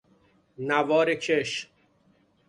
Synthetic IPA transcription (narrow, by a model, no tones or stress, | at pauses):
nævɒːɾecʰeʃ